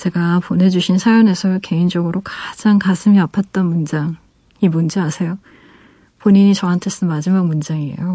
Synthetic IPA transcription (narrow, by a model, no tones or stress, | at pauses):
t͡ɕe̞ɡapone̞d͡ʑuɕʰinsʰajone̞sʰʌke̞ind͡ʑʌɡɯɾokad͡ʑaŋkasʰɯmiapʰat̚t͈ʌnmund͡ʑaŋ | imund͡ʑeasʰe̞jo | poɲiɲit͡ɕʌɦantʰes͈ɯnmad͡ʑimaɡ̚mund͡ʑaŋiḛjo